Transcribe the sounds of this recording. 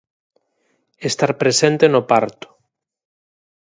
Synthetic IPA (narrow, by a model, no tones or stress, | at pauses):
est̪aɾpɾesent̪enopaɾt̪ʊ̥